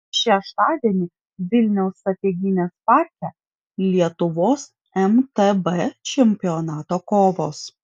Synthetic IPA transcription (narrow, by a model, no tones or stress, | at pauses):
ʃʲɛʃt̪ɑːd̪ʲiɛnʲɪ | ʋʲɪlʲnʲɛʊst̪ɾɐt̪ʲeɡʲɪnʲeːspɑˑɾʲt̪ʲɛ | lʲiɛt̪ʊʋoːs | ɛmt̪ɛbɛt͡ʃʲɛmʲpʲɪɔnɑːt̪oːkoːʋoːs